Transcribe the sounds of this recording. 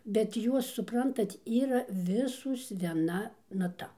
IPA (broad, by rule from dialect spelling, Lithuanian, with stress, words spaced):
bʲɛt ˈjuɔs sʊˈprɐntɐt ˈiːrɐ ˈʋʲɪsoːs ʋʲiɛˈnɐ nɐˈtɐ